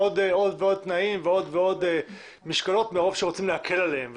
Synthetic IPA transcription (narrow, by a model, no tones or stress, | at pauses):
od̪o̞d̪veo̞d̪̚t̪naimveo̞d̪veo̞d̪e | miʃkalo̞t̪meʁo̞v̥ʃeot͡simlehakʰelalehemv